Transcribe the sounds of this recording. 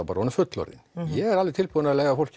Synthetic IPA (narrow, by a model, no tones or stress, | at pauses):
ɑbɑɾonəfœt̪lɔ̰ɾɪ̰njææɾɑlɪt̪ɪlpʰonɑɛlæɪʋɑfɔlk